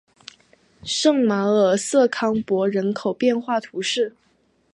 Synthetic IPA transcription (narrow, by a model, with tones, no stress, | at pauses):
ʂɤ˥˩ŋma˧˥ə˞˨˩sɤ˥˩kʰɑ˥ŋpwɔ˧˥ɻə˧˥nkʰo˨˩ʊpjɛ˥˧nxwa˥˩t̪ʰu˧˥ʂɻ̩˥˩